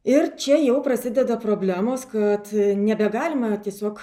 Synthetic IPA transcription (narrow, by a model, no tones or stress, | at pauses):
ɪrt͡ʃʲɛjɛʊpɾɐsʲɪd̪ʲɛd̪ɐpɾoːbʲlʲæːmoːskɐt̪nʲɛbʲɛɡɑːlʲɪmɐt̪ʲiɛsʲoːk